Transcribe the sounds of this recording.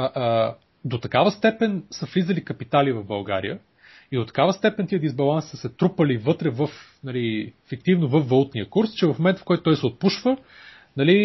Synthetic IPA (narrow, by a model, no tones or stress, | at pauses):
d̪ot̪ɐkavəst̪ɛpɛnsəflizəlikɐpit̪alivɐvbɐlˠɡa̰ɾḭjə | id̪ot̪ɐ̥kavəst̪ɛpɛnt̪iəd̪izbɐlˠansi̥səsɛt̪ɾupəlivɤt̪ɾɛvɤf | nɐliɛfikt̪ivnovəfːɐlˠut̪niəkuɾst͡ʃɛvɐfmomɛnt̪əfkɔjt̪ʊ̥t̪ɔjsɛot̪̚puʃvə | nɐli